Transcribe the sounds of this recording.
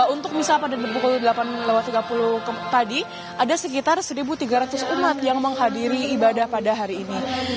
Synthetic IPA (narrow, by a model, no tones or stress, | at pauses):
unt̪ʊk̚misapadadpukuludəlapanlewat̪ːiɡapulʊhkt̪adi | ʔadasəkit̪arsəɾibut̪iɡaɾat̪ʊsumat̪̚jaŋməŋɦadiɾiːbadahpadaɦaɾiːni